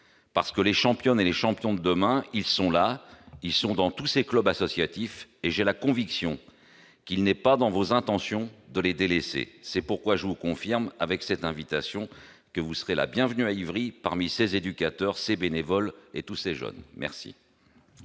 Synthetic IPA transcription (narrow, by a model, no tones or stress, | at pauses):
paʁsə̥kəleʃɑ̃pjɔneleʃɑ̃pjɔ̃d̪əd̪əmɛ̃ilsɔ̃lailsɔ̃d̪ɑ̃t̪useklœbasɔsjat̪ifeʒelakɔ̃viksjɔ̃ | kʲilnɛpad̪ɑ̃vozɛ̃t̪ɑ̃sjɔ̃d̪əled̪elesḛsɛpuʁkwaʒəvukɔ̃fiʁmavɛksɛt̪ɛ̃vit̪asjɔ̃ | kəvusəʁela̰bjɛ̃vnyaivʁipaʁmisezed̪ykʲat̪œʁsebenevɔlḛt̪useʒœ̰nmʔɛ̰ʁsḭ